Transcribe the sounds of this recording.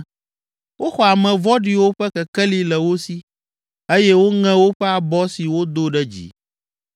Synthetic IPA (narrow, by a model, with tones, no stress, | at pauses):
wo˦xɔ˨a˨mɛ̃˨vɔ˦ɖi˨wo˦ɸɛ˦kɛ˨kɛ˦li˦lɛ˨wo˦si˦ | e˦jɛ˦wo˦ŋɛ̃˦wo˦ɸɛ˦a˨bɔ˦si˨wo˦d̪o˦ɖɛ˦d͡ʑḭ˨